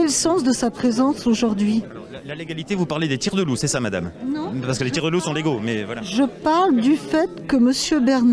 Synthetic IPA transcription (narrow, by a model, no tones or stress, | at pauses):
ɛlsɑ̃sd̪əsapχezɑ̃soʒuʁd̪ɥi | laleɡalit̪evupaʁled̪et̪iʁd̪əlusɛsamad̪a̰mnɔ̃paʁsəkəlet̪iʁd̪əlusɔ̃leɡomɛvwalaʒəpaʁld̪yfɛt̪kəməsjøbɛʁn